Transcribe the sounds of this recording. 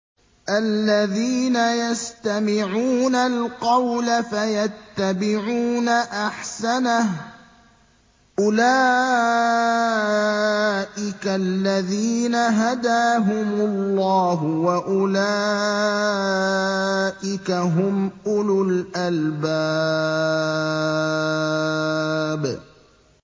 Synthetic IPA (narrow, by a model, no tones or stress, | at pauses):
ʔalːaðiːnajast̪amɪʕuːnalqɑwlafajat̪ːabɪʕuːnaʔaħsanah | ʔʊlaː | ʔɪkalːaðiːnaɦad̪aːɦʊmʊlːɑːɦʊwaʔʊlaː | ʔɪkaɦʊmʔʊlʊlʔalbaː | b